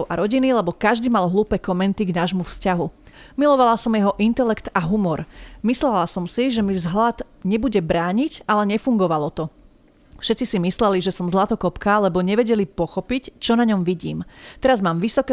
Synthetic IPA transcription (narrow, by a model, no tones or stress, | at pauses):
ʊʔaɾɔɟinilɛbɔkaʒd̪iːmalɦluːpɛːkɔmɛnt̪iɡnaːʒmufscaɦu | milɔʋalasɔmjɛɦɔʔint̪ɛlɛkt̪aɦumɔɾmislɛlasɔmsiʒɛmivzɦlad̪ | ɲɛbuɟɛbɾaːɲiɟalɛɲɛfuŋɡɔʋalɔt̪ɔ | fʃɛt̪t͡sisimislɛliʒɛsɔmzlat̪ɔkɔpkalɛbɔɲɛʋɛɟɛlipɔxɔpict͡ʃɔnaɲɔmʋiɟḭːmt̪ɛɾazmaːmʋisɔkɛ